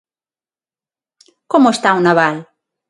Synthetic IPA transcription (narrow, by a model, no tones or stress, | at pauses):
komoest̪aunaβal